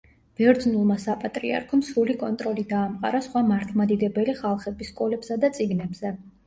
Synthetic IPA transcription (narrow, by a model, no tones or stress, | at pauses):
b̥ɛɾd̪znulˠmasapʼat̪ʼɾḭa̰ɾkʰɔmsɾulikʼɔnt̪ʼɾɔlid̪aːmqʼa̰ɾasχwamaɾt̪ʰmad̪id̪ɛbɛliχalˠχɛbiskʼɔlɛb̥sad̪at̪sʼiɡnɛbz̥ɛ